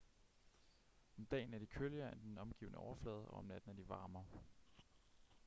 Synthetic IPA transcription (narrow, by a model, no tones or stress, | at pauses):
ɒ̽md̥ɛ̰ːn̩æɐd̥ikʰøljɐend̥enɒ̽mɡ̥ḭːʊnəʔɒʊɐflɛ̰ːð̞ˠɒ̽ɒ̽mnæd̥n̩æɐd̥iʋɑ̈ːmɐ